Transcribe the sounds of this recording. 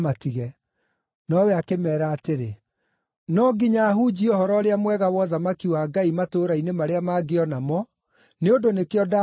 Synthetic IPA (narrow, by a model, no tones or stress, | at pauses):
matiɣɛ | nɔwɛakemɛːɾaːteɾe | nɔɡiɲaːɦud͡ʑiohɔɾɔɾeamwɛɣawɔðamakiwaɡaimatoɾainemaɾeamaɡeɔnamɔ | neondonekeɔda